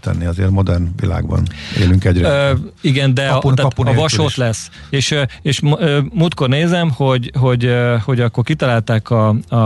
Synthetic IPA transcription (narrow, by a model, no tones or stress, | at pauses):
t̪ɛ̰nːiɒzeːrmod̪ɛrnʋila̰ːɡbɒ̰nḛːlyŋkɛɟɾiɡɛnd̪ɛɒaːɒvɒʃot̪lɛsː | eːʃøeːʃøːmuːt̪ko̞rneːzɛmho̞ɟɦo̞ɟho̞ɟɒkːo̞rkit̪ɒlaːlt̪æːkɒɒ